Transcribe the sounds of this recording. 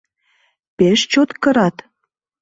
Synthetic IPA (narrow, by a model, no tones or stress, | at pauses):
peʃt͡ɕot̪kə̆ɾɑt̪